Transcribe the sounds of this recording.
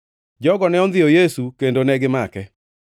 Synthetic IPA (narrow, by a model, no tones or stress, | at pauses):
d͡ʒɔɡɔnɛɔnd̪ɪjɔjesukendonɛɡɪmakɛ